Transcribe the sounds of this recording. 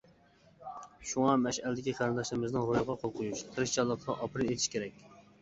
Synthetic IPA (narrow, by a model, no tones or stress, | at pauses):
ʃuŋɑmɛʃælɪd̪ɪkʲiqʰæɾɨnd̪ɑʃlɨmɪznɪŋɾojʁɑqʰolˠqʰʊjuʃt̪ʰɨɾɨʃt͡ʃʰɑlˠːəqt̪ɑʔɑpɾɨnet̪ʰɪ̥ʃkʲʰeɾɛkʲ